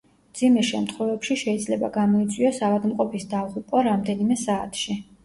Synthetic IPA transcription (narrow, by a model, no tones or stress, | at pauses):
md̪zimɛʃɛmt̪ʰχwɛvɛpʃiʃɛid̪zlɛba̰ɡamɔit̪sʼwiɔsavad̪mqʼɔpʰisd̪avʁupʼɔɾamd̪ɛnimɛsaːt̪ʰʃi